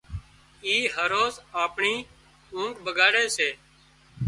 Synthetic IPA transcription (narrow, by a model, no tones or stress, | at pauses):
iːɦəɾoːsaːpɳiː | ũːŋkbəɡaːɽeːseː